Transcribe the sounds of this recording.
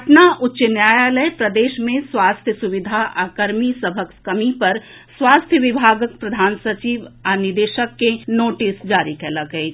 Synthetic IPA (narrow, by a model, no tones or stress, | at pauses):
ɐpnaʔʊtːʃənjaːjaləpɾɐd̪eːʃmẽswaːst̪ʰjəsuʋɪd̪ʱaʔaːkəɾmisəbʱəkskɐmipɐɾ | swaːst̪ʰjəʋɪbʱaːɡək̚pɾɐd̪ʱaːnsɐt͡ʃiːʋanɪd̪eːʃəkːenoːʈɪsd͡ʒaːɾikelaɡəi